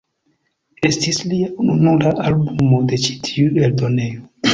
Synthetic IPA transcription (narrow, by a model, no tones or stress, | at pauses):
estisliaununulaʔalbumo̞de̞t͡ʃi̥tʰiueldo̞ne̞jo